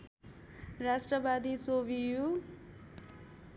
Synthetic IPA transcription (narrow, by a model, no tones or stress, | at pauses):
rasʈrʌbad̪it͡sobiju